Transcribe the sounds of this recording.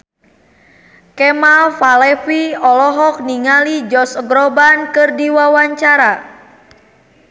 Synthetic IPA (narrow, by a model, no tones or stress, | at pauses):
kɛmalfalɛfiɔlɔɦɔk̚niŋalid͡ʒɔsəɡɾɔbankɨrdiwawaɲt͡ʃaɾa